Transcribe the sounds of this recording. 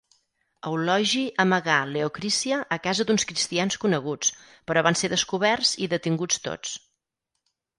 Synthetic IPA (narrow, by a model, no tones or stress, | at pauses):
əwlɔʒiʔəməɣaleokɾisiəʔːkazəd̪unskɾist̪ianskunəɣ̞ut͡s | pəɾɔβ̞anseðəskuβɛrziðət̪iŋɡut͡st̪o̰t͡s